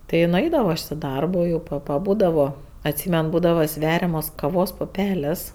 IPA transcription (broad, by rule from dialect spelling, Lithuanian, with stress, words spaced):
tʲɪ ɪ nʊˈɐɪdɐʋoː ɐʃ ɪ ˈdɐrboː jɛʊ pɐ pɐˈbuːdɐʋoː ɐtʲˈsʲiːmʲɛn ˈbuːdɐʋɐ ˈsʲʋʲæːrʲɛmoːs kɐˈʋoːs pʊˈpʲæːlʲeːs